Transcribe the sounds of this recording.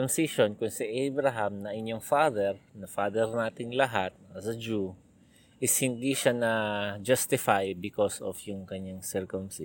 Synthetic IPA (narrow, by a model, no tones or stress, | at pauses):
ɐmsiʃonkʊŋsiʔɛjbɾɐɦamnɐʔɪɲjoŋfaːd̪ɛɹnɐfaːd̪ɛɹnaːt̪ɪŋlɐɦat̪̚ɐsɐd͡ʒu | ʔɪshɪnd̪iʃanɐd͡ʒast̪ɪfajbɪkosofjʊŋkɐɲaŋsɛɹkʊmsɪ